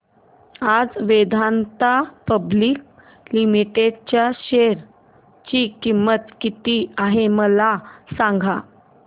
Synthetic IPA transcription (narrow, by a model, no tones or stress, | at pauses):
ad͡zʋed̪ʱant̪apəbliːk̚ | limiʈeɖt͡ɕjaɕeɾ | t͡ɕikimːət̪kit̪iaɦeməlasãŋɡʱa